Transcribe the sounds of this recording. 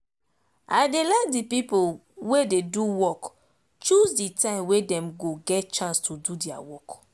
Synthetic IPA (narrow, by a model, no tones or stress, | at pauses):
ʔaɪdelɛt̚dipipol | wededuwɔk | t͡ʃuzditãɪ̃mwedɛ̃mɡoɡɛt̚t͡ʃãnstʰududia̰wɔk